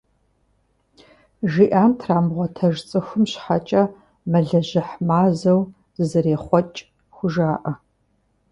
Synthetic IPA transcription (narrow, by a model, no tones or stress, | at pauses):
ʒiʔaːmtʰraːmʁʷɔtʰɐʒt͡sʼɨxʷʊmɕħat͡ʃʼɐ | mɐɮɐʑɪħmaːzɐw | ɨzɨɾeːχʷɔt͡ʃʼ | xʷʊʒaːʔɐ